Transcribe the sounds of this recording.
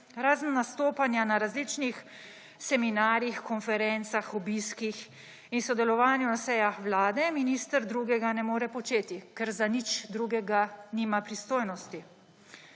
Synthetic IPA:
ɾaːznːast̪oːpanjanaɾazliːt͡ʃnix | sɛminaːɾjixkɔnfɛɾɛnt̪saxɔbiːskix | insɔd̪ɛlɔʋaːnjunasɛːjaxʋlaːd̪ɛminiːst̪əɾd̪ɾuːɡɛɡanɛmoːɾɛpɔt͡ʃeːt̪ikɛɾzanit͡ʃd̪ɾuːɡɛɡaniːmapɾist̪oːjnɔst̪i

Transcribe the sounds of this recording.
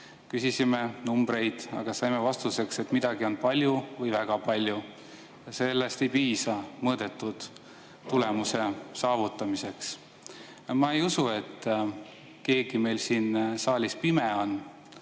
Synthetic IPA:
kysisime̞numb̥ɾe̞jd̪̥ɑ̰ɡ̥ɑsɑjmevɑst̪use̞kse̞t̪mid̪̥ɑɡio̞npɑlʲjuvɤjvæɡ̥ɑpɑlʲju | jɑse̞lːe̞st̪e̞jpiːsɑmɤːd̪̥e̞t̪ːˑud̪̥ | t̪ːule̞muse̞sɑːvut̪ːˑɑmise̞ks | mɑejusue̞t̪ː | ke̞ːɡ̥ime̞jlsiːnsɑːlʲispime̞on

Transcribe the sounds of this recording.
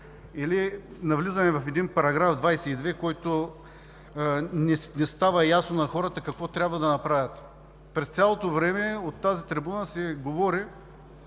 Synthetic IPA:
ilinɐvlizɐmɛvɐfɛd̪inpɐɾɐɡɾavd̪vajsɛid̪vɛkɔjt̪o | nɛnɛst̪avɐjasnonɐxɔɾət̪ɐkɐkvɔt̪ɾʲjabvɐd̪ɐnɐpɾavʲɐt̪ | pɾɛst̪sʲalˠot̪ovɾɛmɛot̪ːazit̪ɾibunəsɛɡovɔɾi

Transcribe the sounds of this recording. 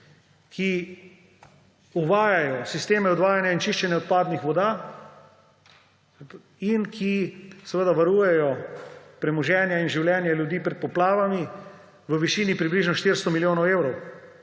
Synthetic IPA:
kʰi | uʋaːjajɔsist̪eːmɛɔd̪ʋaːjanjaint͡ʃiʃt͡ʃɛnjɛɔt̪̚paːd̪nixʋɔd̪aː | inkʰisɛʋəd̪aʋaɾuːjɛjɔpɾɛmɔʒɛːnjainʒiwljɛːnjaljud̪iːpɾɛt̪̚pɔplaːʋami | ʋəʋiʃiːnipɾibliʒnɔʃt̪iɾst̪ɔmiljoːnɔweːwɾɔw

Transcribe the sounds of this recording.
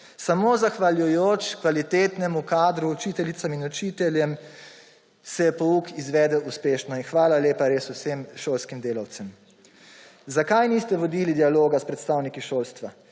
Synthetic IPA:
samoːzaxʋaljujoːt͡ʃkʋalit̪eːt̪nɛmukaːd̪ɾuːt͡ʃiːt̪ɛlit̪saminɔt͡ʃiːt̪ɛljɛm | sɛjɛpɔukizʋɛːd̪ɛuspeːʃnɔinxʋaːlaleːpaɾeːsusemʃoːlskimd̪eːlawt̪sɛm | zakajnist̪ɛʋɔd̪ilid̪ialoːɡaspɾɛt̪st̪aːwnikiʃoːlst̪ʋa

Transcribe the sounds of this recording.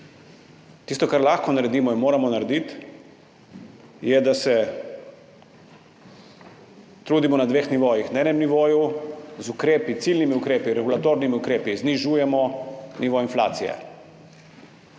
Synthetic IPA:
t̪ist̪ɔkaɾlaxkɔnaɾɛd̪iːmɔinmoːɾamɔnaɾd̪it̪ | jɛd̪asɛ | t̪ɾuːd̪imɔnad̪ʋeːxniʋoːjixnaɛːnɛmniʋoːjuzukɾeːpit̪silnimiukɾeːpiɾɛɡulat̪oːɾnimiukɾeːpizniʒuːjɛmɔniʋoinfla̰ːt̪sijɛ̰

